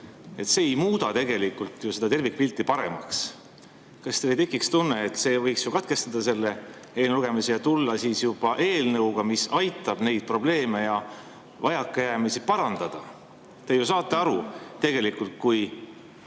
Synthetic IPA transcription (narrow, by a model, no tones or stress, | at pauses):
e̞t̪seːejmuːd̪ɑt̪e̞ɡ̥e̞likult̪ˑjuse̞d̪ɑt̪e̞rvik̚ːˑpilt̪ˑːipɑɾe̞̰mɑ̰ks | kɑst̪e̞jt̪ekːˑikst̪unːe̞ːt̪ːˑse̞ːvɤjksjukɑt̪̚ke̞st̪ɑd̪̥ɑse̞lːe̞ | eːlnluɡ̥e̞misejɑt̪ulːɑsisjub̥ɑʔeːlnɤwɡ̥ɑmisɑjt̪ːˑɑb̥ne̞jd̪̥̚pro̞ble̞ːme̞jɑ | vɑjɑkːˑejæːmisipɑɾɑnd̪̥ɑd̪̥ɑ | t̪e̞jus̬ɑːt̪ːˑe̞ɑɾut̪e̞ɡ̥e̞likult̪̚kuj